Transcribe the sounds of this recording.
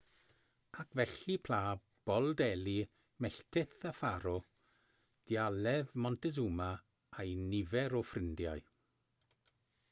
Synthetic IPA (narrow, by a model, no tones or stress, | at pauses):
akʰvɛɬipʰl̥aː | b̥ɔlˠdɛli | mɛɬtʰɪθəfaɾɔ | d̥ialɛvmɔntʰɛzuma | ajnɪvɛɾɔfrɪndjaɨ